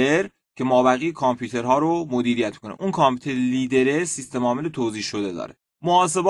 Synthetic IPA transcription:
eɾ | cʰe̞mɒːbæɣijekʰɑmpʰuːt̪ʰe̞ɾɦɒːɾomod̪iːɾijæt̪mi̥kʰonḛʔunkʰɑmpʰuːt̪ʰeɾeliːd̪e̞ɾesist̪e̞mɒːmelet̪ʰoːziːhʃod̪e̞d̪ɒ̰ːɾe | moɒːs̬e̞bɒː

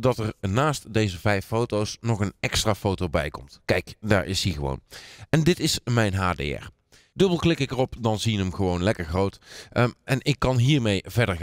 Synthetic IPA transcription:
dɑtəɹnaːstdejzəvɛjfowtowsnɔχənɛkstraːfowtowbɛ̰jkɔmtkɛjkda̰ːɹʔɪ̰siɣəʋo̰wnɛndɪtɪsmɛjnɦaːdḛːɛ̰ɹ | d̥ɵbəlˠklɪkɪkərɔpdɑnzijənəmɣəʋownlɛkəɹχrowtʔɛnɪkːɑnɦiːɹmejvɛɹdəɹ

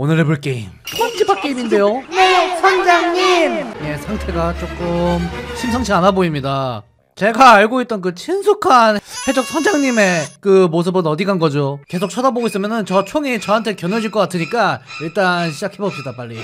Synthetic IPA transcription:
onɯɾepuɭk͈e̞immwʌnd͡ʑibak͈eiminde̞joonesʰʌnd͡ʑaŋɲimje̞sʰaŋtʰe̞ɡat͡ɕ͈ok͈ɯmɕʰimsʰʌŋt͡ɕʰianaboimɲida | t͡ɕe̞ɡaːɭɡoit̚t͈ʌnkɯt͡ɕʰinsʰukʰanhe̞d͡ʑʌk̚sʰʌnd͡ʑaŋɲime̞kɯmos̬ʰɯbɯnʌdiɡanɡʌd͡ʑoke̞sʰok̚t͡ɕʰadaboɡois͈ɯmjʌnɯnt͡ɕʌt͡ɕʰoŋit͡ɕʌɦantʰekjʌnɯd͡ʑiɭk͈ʌk͈atʰɯɲik͈aiɭt͈anɕʰid͡ʑakʰe̞bʌp̚ɕ͈idapaʎːi

